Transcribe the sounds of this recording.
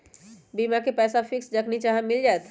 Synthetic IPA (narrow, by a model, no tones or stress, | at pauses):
bimakepɛːsafʰɪksd͡ʒəknit͡ʃaɦãmɪld͡ʒaɛt̪